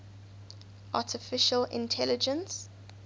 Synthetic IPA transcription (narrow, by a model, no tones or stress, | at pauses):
ʔa̰tʰɪfɪʃəlɪ̰̃ntʰɛlɪd͡ʒə̃ns